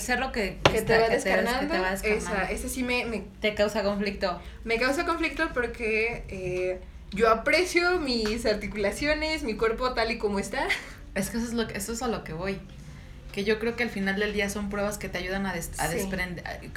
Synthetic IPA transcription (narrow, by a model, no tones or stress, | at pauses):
seɾlokeket̪eβaðeseanãnd̪oeβaðeskeasaesasime̞met̪e̞kawsako̞ɱflik̚t̪o̞ | me̞kaws̬ako̞ɱflik̚t̪opo̞ɾkee | ʝo̞apɾe̞sjomisaɾt̪ikulasjo̞ne̞smikwe̞ɾpo̞t̪aliko̞moest̪a | eskeesoezlokesoesalo̞ke̞βo̞j | ke̞ʝo̞kɾe̞oke̞alfinald̪e̞ld̪iaso̞mpɾwe̞βaske̞t̪e̞aʝuð̞anaðesa̰sðespɾend̪